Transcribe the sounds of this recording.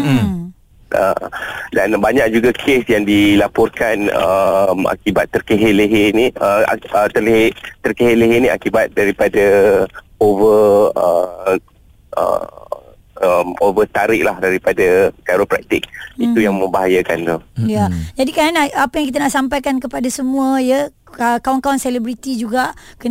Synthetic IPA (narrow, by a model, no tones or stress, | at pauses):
ə̰danbaɲak̚d͡ʒuɡakʰesjaŋdilapɔrkanə̰ma̰kibat̪ːərkeɦeleɦeniə̰ət̪ərlet̪ərkeɦeleɦenĩa̰kibat̪̚daɾipada | ovərə̰ | ʔə̰ | əmovət̪aɾɪk̚lahdaɾipadakaɾopɾa̰k̚t̪ɪ̰k̚it̪ujaŋmə̃mbaɦajəkant̪ujad͡ʒadikaɾanaapəjaŋk̬it̪anaʔsampajkankəpadasəmũəjə | əkawankawanselebɾit̪id͡ʒuɡaʔkə